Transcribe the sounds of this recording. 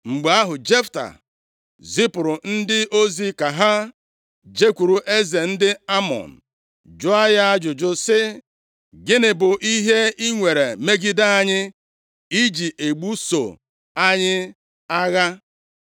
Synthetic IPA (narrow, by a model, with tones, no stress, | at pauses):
ŋ͡m̩˨ɡ͡ba˦ɦʊ˨d͡ʒe˦fta̰˨ | zi˦pʊ˨ɾʊ˨n̩˦dɪ˦ʔo˦zi˦ka˨ɦa˦ | d͡ʒe˦kʷu˨ɾu˨ʔe˦ze˨n̩˦dɪ˦a˦mɔ̰˨n̩˨ | d͡ʒʊ˦a˦ja˦a˦d͡ʒʊ˨d͡ʒʊ˦sɪ˦ | ɡɪ˦nɪ˨bʊ˨ʔi˦ɦe˦i˦ŋʷe˨ɾe˨me˦ɡi˦da˦a˦ɲɪ˦ | i˦d͡ʒi˨ʔe˨ɡ͡bu˦so̰˨ | a˦ɲɪ˦ | a˦ɣa˦